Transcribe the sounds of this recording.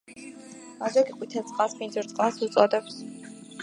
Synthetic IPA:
mazɔɡiqʼwit̪ʰɛsʼqʼasminsʰuɾt̪sʼqʼasut̪sʼɔd̪ɛps

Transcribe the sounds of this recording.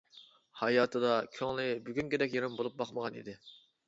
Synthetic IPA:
hɑjɑːt̪ʰɨd̪ɑkʲʰøŋlɪbyɡʲyŋkʲed̪ɛkʲjeɾɪmbolˠup̚bɑχməʁɑnḭd̪ɪ

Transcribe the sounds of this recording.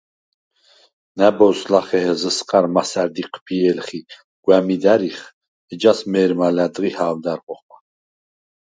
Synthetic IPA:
næbɔwslaχɛɦɛzəsqʼaɾmasæɾd̪iqʰpʰiɛlχi | ɡ̥wæmid̪æɾiχ | ɛd͡ʒasmɛːɾmalæd̪ʁihaːwd̪aɾqʼɔχma

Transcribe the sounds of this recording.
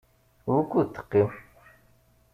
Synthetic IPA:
wukʷːut̪ːə̥qːim

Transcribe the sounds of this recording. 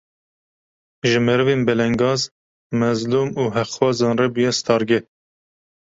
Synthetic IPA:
ʒɨmɛɾɨveːnbɛlɛŋɡɑːz | mɛzluːmuːɦɛxwɑːzɑːnrɛbujɛst̪ʰɑːɾɡɛ

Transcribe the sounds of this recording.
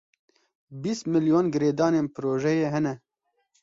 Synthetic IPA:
bist̪mɨljoːnɡɨɾeːd̪ɑːneːnpʰɨɾoːʒɛjeːɦɛnɛ

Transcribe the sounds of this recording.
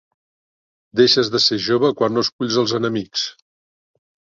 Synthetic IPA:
d̪eʃəzðəseʒoβəkwanːoskuʎzəlˠzənəmiks

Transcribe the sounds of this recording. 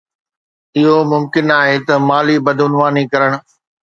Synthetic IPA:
ɪɦomʊmkɪnaːɦet̪ɐmaːlibɐd̪ʱʊnʋaːnikɐɾəɽ̃ʊ̆

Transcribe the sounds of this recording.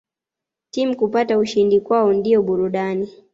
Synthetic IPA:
timukupatauʃindikwaɔndiɔɓuɾuɗani

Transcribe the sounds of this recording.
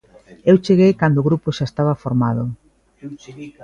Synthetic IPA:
ewt͡ʃeɣejkand̪oʊɣɾupʊʃaest̪aβafoɾmaðʊ

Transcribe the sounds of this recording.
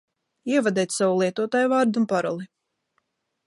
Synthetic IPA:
iɛvad̪ɛjt̪savulˠiɛt̪uɔt̪aːjvaːɾd̪unpaɾɔlˠi

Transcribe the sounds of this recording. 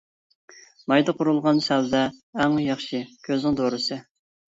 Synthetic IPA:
mɑjd̪ɑqʰʊɾulˠʁɑnsæld̪ɛːŋjɑχʃikʲʰøznɪŋd̪oɾɨsɨ

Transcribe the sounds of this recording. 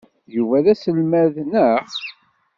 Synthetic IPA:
juvæðæsəlmæðnəχ

